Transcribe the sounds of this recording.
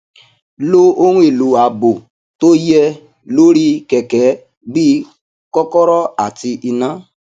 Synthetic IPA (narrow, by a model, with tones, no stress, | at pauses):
lo˦o˦ɾ̃ũ˦e˨lo˨˦˨a˨bo˨ | to˦jɛ˧ | lo˦ɾi˦kɛ˨kɛ˨˦ | bi˦ | kɔ˦kɔ˦ɾɔ˦a˨ti˧ʔi˧nã˨˦